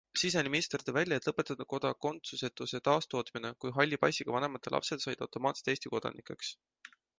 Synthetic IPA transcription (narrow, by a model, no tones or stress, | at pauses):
sis̬enʲimist̪rd̪evælʲjɑet̪ːˑlɤpːe̞t̪ːˑɑd̪̥ɑko̞d̪ɑko̞nt̪suse̞t̪ːˑuse̞t̪ɑːst̪o̞ːt̪mine̞kujɦɑlʲːipɑjsiɡ̥ɑvɑnemɑt̪ˑːelʔɑ̰pse̞d̪̥sɑjd̪̥ɑ̰wt̪o̞mɑːt̪se̥t̪eːst̪iko̞d̪̥ɑ̰nikˑe̞̰ks